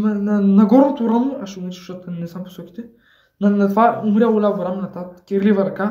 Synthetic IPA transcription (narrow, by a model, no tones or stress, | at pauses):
mɐnɐnɐɡɔɾnot̪oɾanoaʃɛunɾit͡ʃuʃat̪nɛzampo̥sɔkʲi̥t̪ɛ | nɐnɐt̪ovaumɾʲaolʲavɾamnɐt̪akʲɛɾlivɐɾɐka